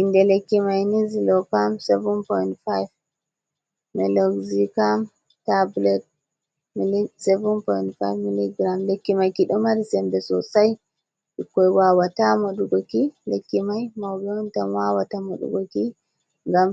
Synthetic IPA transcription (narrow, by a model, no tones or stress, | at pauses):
ʔindɛlekːimajnizilɔkamsɛvunpɔjintfajv | mɛlɔɡzikam | tablɛt̚ | milisɛvunpɔjntfajvmiliɡɾamlekːimajkiɗɔmaɾisɛmbɛsɔsaj | ikːɔjwawatamoɗuɡokilekːimajmawbɔntamwawatamoɗṵɡoki | ŋɡam